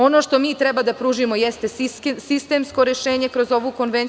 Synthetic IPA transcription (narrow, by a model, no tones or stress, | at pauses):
o̞no̞ʃt̪o̞miːt̪ɾɛbad̪apɾuːʒimo̞jest̪esist̪e̞ːmsko̞ɾjeʃeːɲe̞kɾo̞zo̞ʋoko̞nʋen